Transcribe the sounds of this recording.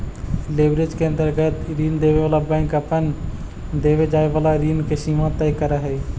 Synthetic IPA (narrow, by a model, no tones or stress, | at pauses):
leːbɾed͡ʒkeə̃nt̪əɾɡət̪ɾiːnd̪eːʋeʋaːlabəɪ̃kəpən | d̪eːʋed͡ʒaːeʋaːlaɾiːnkesiːmãt̪əjkəɾəɦɛː